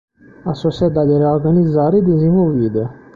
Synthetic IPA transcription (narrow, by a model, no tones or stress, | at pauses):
asosad̪ad̪ʲeɾeoɾɡanizaɾid̪ezĩnvolvid̪eo